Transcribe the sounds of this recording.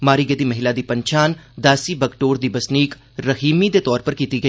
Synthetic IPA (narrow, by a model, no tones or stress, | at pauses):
maːɾiːɡəd̪iːməɦɪlaːd̪iːpəɲt͡ʃʰaːnd̪aːsiːbəkʈoːɾd̪iːbəsniːk | ɾəɦiːmiːd̪eːt̪ɔːɾpəɾkiːt̪iːɡə